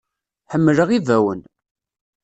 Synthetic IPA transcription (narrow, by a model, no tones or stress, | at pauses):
ħəmːləʁivæwə̰n